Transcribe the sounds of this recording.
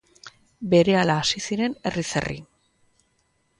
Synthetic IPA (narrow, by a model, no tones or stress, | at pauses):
be̞ɾe̞alaːsisiɾe̞ne̞risḛrḭ